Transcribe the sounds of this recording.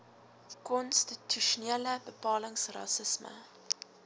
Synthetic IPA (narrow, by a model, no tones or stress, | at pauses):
kɔnstitʰyʃuneələbəpɑːləŋsrɐ̰səsmə̰